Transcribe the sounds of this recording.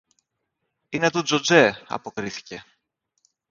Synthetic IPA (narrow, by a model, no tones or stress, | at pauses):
ine̞t̪ud͡zod͡ze̞ɐ̰po̞kɾiθi̥ce̞